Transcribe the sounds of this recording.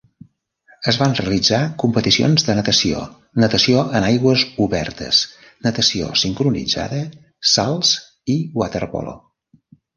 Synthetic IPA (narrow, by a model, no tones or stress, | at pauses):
əzβanreəlid͡zakumpət̪isio̰nzðənət̪əsio̰ | nət̪əsioʔənajɣwəzuβɛ̰rt̪ə̰s | nət̪əsio̰siŋkɾunḭd͡za̰ðə | salˠz | iwat̪ərpɔ̰lo̰